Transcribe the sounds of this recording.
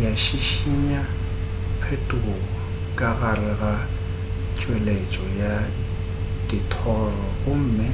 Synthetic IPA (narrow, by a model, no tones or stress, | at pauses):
jaʃiʃiɲa | pʰetʼuɣɔ | kʼaɣarɛɣa | t͡ʃʼwɛlet͡ʃʼɔja | tʼɪtʰɔːrɔɣʊm̩mɪ